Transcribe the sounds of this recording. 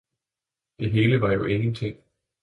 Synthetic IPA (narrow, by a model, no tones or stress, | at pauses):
d̥e̝ɦe̝ːləʋɑ̈jo̝ʔe̝ŋn̩t͡sʰe̝ŋ̰